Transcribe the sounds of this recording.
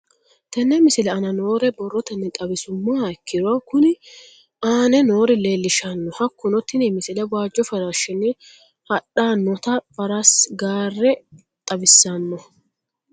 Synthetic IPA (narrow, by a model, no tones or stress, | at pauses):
t̪ɐnːɛmɪsɪlɛɐnɐno̞ːɾɛbɔrːɔt̪ɐnːɛt̪ʼɐbɪsʊmːaːɛkːɪd̪ʊakʊnɪ | aːnɛnoːɾɪle̞ːlːɪʃɐnːɔhɐkːʊnɔt̪ːɪnɛmɪsɪlɛwaːd͡ʒːɔfɐɾaʃɪnːɪ | hɐɗaːnːɔt̪ɐb̥ɐɾɐsɡaːrːɛ | t̪ʼɐbɪsːɐnːɔ